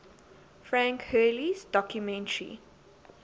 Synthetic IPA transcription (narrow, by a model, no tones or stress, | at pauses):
fɹæ̃ŋkhɜːlizdɔkjumɛ̃ntəɹḭ